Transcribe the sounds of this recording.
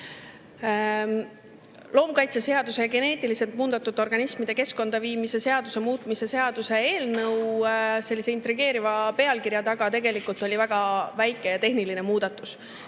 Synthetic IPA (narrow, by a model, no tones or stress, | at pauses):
lo̞ːmkɑjt̪sese̞ɑd̪̥use̞jɑɡ̥e̞ne̞ːt̪ʲːˑiliselt̪̚muːd̪̥ɑt̪ːˑut̪ːˑo̞rɡɑnismid̪̥e̞ke̞sko̞nd̪̥ɑviːmise̞se̞ɑd̪use̞muːt̪ˑmise̞se̞ɑd̪̥use̞eːlnɤwse̞lʲːiseint̪ɾiɡ̥e̞ːɾivɑpe̞ɑlkiɾjɑt̪ɑɡ̥ɑt̪e̞ɡ̥e̞likult̪ˑo̞lʲivæɡ̥ɑvæjkːˑe̞jɑt̪e̞ɦniline̞muːd̪̥ɑt̪ːˑus